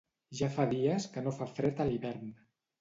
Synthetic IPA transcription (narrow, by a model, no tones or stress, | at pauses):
ʒafaðiəskənofafɾɛt̪əliβɛɾn